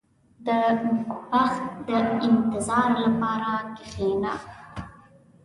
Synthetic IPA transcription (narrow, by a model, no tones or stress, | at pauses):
d̪əwaxt̪d̪əɪnt̪ɪzɑɾlapɑɾakɪxena̰